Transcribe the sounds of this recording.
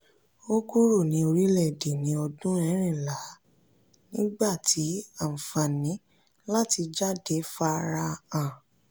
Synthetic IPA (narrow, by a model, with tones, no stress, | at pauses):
o˦ɡu˦ɾo˦˨nĩ˨˧˦o˧ɾi˦lɛ˦˨de˨nĩ˨˦ɔ˧dũ˦ɛ˧˦ɾ̃ĩ˦˨la˨˦ | nĩ˦ɡ͡ba˦˨tʰi˨˦a˦˨fã˨nĩ˨˦ | la˦ti˧d͡ʒa˦˨de˨˦fa˧ɾa˧ã˨